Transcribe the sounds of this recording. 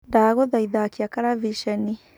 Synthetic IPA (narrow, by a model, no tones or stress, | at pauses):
daːɣɔðaiðakiakaɾaviʃɛni